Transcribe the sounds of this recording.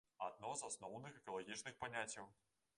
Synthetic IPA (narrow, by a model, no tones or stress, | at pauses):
ad̪̚nɔzasnɔwnɨxɛkɐlˠaɣʲit͡ʂnɨxpanʲat͡sʲːɐw